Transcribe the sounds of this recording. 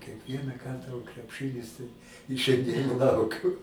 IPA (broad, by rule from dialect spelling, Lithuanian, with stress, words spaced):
kʲiɛkˈʋʲiɛnɑː ˈkɐrtɑː oː krʲɛpˈʃɨnʲɪs tɐɪ ɪ ʃʲɛnʲˈdʲiɛn ˈlˠɐʊkʲʊ